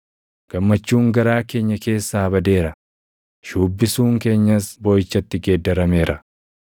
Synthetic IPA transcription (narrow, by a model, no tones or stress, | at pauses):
ɡ̥ɐmːɐt͡ʃːuːŋɡɐɾaːke̞ːɲːɐke̞ːsːaːɐbɐd̪e̞ːɾɐ | ʃuːbːɪsuːŋke̞ːɲːɐsboːjɪt͡ʃːɐt̪ːɪɡeːd̪ːɐɾɐme̞ːɾʔɐ